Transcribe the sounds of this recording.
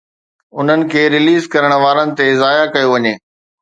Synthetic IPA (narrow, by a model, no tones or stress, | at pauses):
ʊn̤ənɪ̆kʰeːɾɪliːzkɐɾəɽ̃̆ʋaːɾənɪ̆t̪ezaːjakɐjoʋɐɲeː